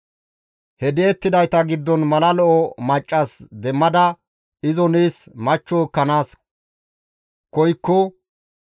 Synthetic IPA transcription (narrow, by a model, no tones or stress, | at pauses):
hɛd̪eːt̪ːɪd̪ɐjt̪ɐɡɪd̪ːɔnmɐlɐlɔʔɔmɐt͡ʃʼːɐsd̪ɛmːɐd̪ɐ | ɪzɔniːsmɐt͡ʃːɔkːɐnaːs | kɔjkːɔ